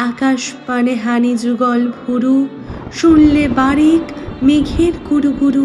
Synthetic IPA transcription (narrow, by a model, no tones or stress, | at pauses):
akaʃpaneɦanid͡ʑuɡɔlbʱuɾu | ʃulːebaɾiʈmiɡʱiɾkuɾuɡuɾu